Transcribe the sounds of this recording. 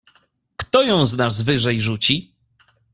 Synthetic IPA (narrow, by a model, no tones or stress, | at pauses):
kt̪ɔjɔ̃w̃znazvɘʐɛjʐut͡ɕi